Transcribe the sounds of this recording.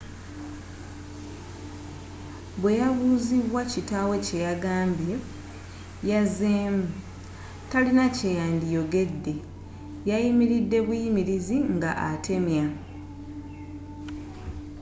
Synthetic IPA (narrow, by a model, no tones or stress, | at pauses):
βwe̞jaβuːziβwacitawe̞ce̞jaɡaːmbje | jazemu | talinacejaːndijo̞ɡe̞dːe̞ | jajimiɾidːe̞βwijimiɾiziŋɡa̰ʔate̞mja